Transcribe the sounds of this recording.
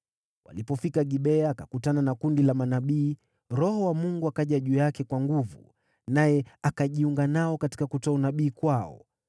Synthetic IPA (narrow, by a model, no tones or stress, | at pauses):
wa̰lipɔfikaɠiɓɛaːkakutananakundilamanaɓiː | ɾɔhɔwamuŋɡuakaʄaʄuːjakɛkwaŋɡuvṵ | najɛakaʄiuŋɡanaɔkati̥kakutɔunaɓiːkwaɔ̰